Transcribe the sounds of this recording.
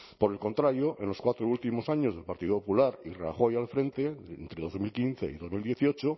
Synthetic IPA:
poɾelko̞nt̪ɾaɾjo̞ʔenlo̞skwat̪ɾoult̪imo̞saɲo̞zðe̞lpaɾt̪iðopopulaɾira̰xo̞jalfɾe̞nt̪e̞ḛnt̪ɾe̞ð̞o̞zmilkinθe̞̰ḭðo̞zmild̪je̞θiot͡ʃo

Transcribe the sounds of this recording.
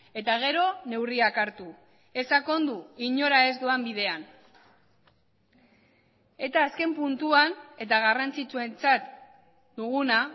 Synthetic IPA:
e̞t̪aɣ̞e̞ɾo̞ne̞wriakaɾt̪u | e̞sako̞nd̪uiɲo̞ɾae̞zd̪uambiðe̞an | e̞t̪aːske̞mpunt̪uane̞t̪aɣ̞arant͡sit͡sue̞nt͡sat̪ | d̪̥uɣuna

